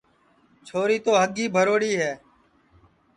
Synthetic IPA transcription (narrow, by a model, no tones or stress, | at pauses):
t͡ʃʰoːɾiːt̪oːɦəɡiːbʱəɾoːɽiːɦɛː